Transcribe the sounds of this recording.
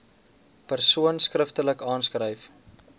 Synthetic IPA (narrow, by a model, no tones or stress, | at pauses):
pərsuənskrəftələkɑːnskrɾəjf